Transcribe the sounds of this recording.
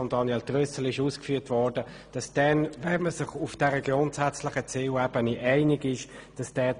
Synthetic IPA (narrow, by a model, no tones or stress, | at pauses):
ɔnd̥ɑnjɛltʁøsəl̩ɪʃuːskfyːɐtvɔɾd̥ə | d̥ɑsd̥ɛnvɛməsɪχufd̥ɛʁəɡʊntsæt͡slɪχət͡sɪwɛb̥əniʔɛɪnɪɡɪʃd̥ɑsd̥ɛː